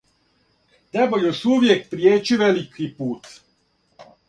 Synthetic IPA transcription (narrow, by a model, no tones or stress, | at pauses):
nebojusuʋjekpɾijeːt͡ɕiʋelikipuːt̪